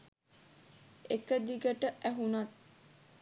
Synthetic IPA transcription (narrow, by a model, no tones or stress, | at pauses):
ekəd̪iɡəʈəʔæɦunat̪̚